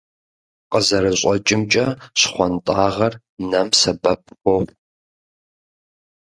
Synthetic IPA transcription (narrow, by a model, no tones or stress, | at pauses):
qəzɐɾɨɕʷʼɔt͡ʃʼɪmt͡ʃʼɐɕχʷɔntʼaːʁɐr | nɐmsɐbɐp̚ʰxʷɔχʷ